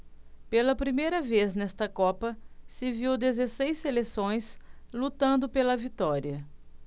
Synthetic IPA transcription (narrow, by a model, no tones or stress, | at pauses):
pelɐpɾimejɾɐveznɛst̪ɐkɔpɐsɪviwd̪ezesejsːelesõj̃slut̪ɐ̃nd̪ʊpelɐvit̪ɔɾiɐ